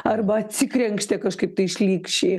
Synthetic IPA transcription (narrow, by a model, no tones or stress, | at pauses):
ɐrbɐɐt̪ʲsʲɪkɾʲɛŋkʃʲt̪ʲɛkɐʃkɐɪp̚t̪ɐɪɪʃʲlʲiːkʃʲeː